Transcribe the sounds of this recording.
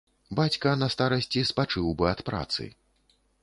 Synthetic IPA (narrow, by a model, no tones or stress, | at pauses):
bat͡sʲkɐnɐst̪aɾɐsʲt͡sʲispat͡ʂɨwbɨɐt̪pɾa̰t̪sɨ̰